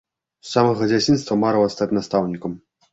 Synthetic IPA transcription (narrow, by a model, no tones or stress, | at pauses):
samɐɣɐd͡zʲat͡sʲinst̪vɐmaɾɐwɐst̪at͡sʲnast̪awnʲikɐm